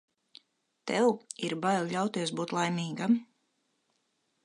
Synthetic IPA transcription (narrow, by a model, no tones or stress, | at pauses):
t̪ɛwiɾbajllʎʲawt̪iɛsbuːt̪lˠajmʲiːɡam